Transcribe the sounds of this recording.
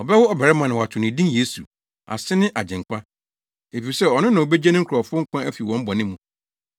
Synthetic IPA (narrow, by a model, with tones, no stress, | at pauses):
ɔ˨bɛ˦wʊ˦ɔ˨bɛ˨ɾɛ˦mã˨nã˨wa˨tʰʊ̃˨nɪ̃˨dĩ˦nje˦sṵ˨ | a̰˨sɪ˦nɪ̃˦ʔa˨d͡ʑɛ̃˨ŋ˨kʷʰa˦ | e˨fi˨sɛ˦ɔ˨nʊ̃˦nã˨wo˨be˦d͡ʑɛ˦nɪ̃˦ŋ̩˦kʰʊ˨ɔ˨fʊ˦ʊ˦ŋ̩˦kʷã˦æ˦fi˨wɔ̃˨˦m̩˦bɔ˨nɪ̃˦mːũ˨